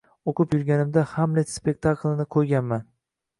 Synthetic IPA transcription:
oqʰʊpjʊɾɡʲanɪmd̪ahamlet̪spe̞k̚ʲt̪ʰakʰlˠɪnɪqʰojɡʲanman

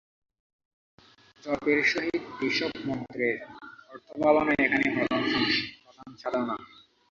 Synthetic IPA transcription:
d͡ʑɔpeɾʃoɦid̪eʃɔbmɔnt̪ɾeɾɔɾt̪ʰobaloneekʰanebɔd̪anʃɔŋʃibɔd̪ant͡ɕʰaɾana

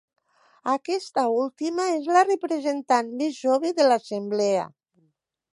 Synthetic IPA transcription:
akɛst̪aulˠt̪imaezlarepɾezent̪anmezʒoβeðelasemblɛa̰

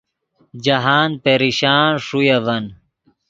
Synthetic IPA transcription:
d͡ʑɐɦaːnpeɾiɕaːnʂujɐvɐn

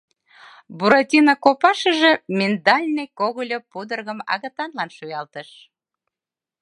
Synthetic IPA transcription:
buɾotʲinɑkopɑʃə̆ʒemʲend̪ɑlʲnejkoɣəlʲopud̪ərɣəmɑ̰ɣət̪ɑnlɑnʃujɑlt̪əʃ

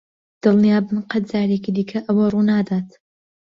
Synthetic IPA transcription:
d̪̥ɨlˠnijaːbɨnqɐt̪̚zaːɾekid̪iːkʰɐʔɐwɐruːnaːd̪aːt̪

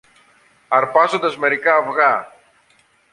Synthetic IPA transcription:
ɐɾpɐzond̪ɐzme̞ɾikɐːvɣɐ

